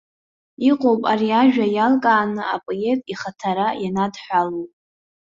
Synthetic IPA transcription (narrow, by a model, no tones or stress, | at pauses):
iqʼowpʼaɾiaʒᶣajalkʼaːnɨapʼojetʼiχatʰaɾajanadħʷᶣalowpʼ